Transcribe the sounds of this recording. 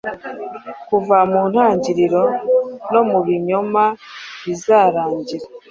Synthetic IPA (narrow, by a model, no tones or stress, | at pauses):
kuvamuːn̥haːɲɟiɾiɾo̞no̞muβiɲo̞maβizaːɾaːɲɟiɾa